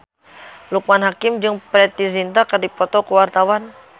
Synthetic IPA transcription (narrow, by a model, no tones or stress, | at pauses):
lukmanɦakɪmd͡ʒɨŋpɾɛt̪izint̪akardipɔt̪ɔkuwart̪awan